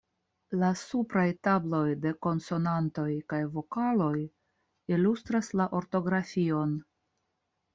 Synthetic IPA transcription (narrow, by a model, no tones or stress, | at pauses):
lasupɾajtablo̞jde̞ko̞nso̞nanto̞jkajvo̞kalo̞j | ilust̪ɾaslaʔo̞ɾto̞ɡɾafio̞n